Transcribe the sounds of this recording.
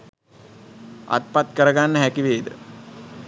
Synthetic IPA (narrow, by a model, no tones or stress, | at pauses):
a̰t̪̚pat̪kəɾəɡanːəɦækiʋeːd̪ə̰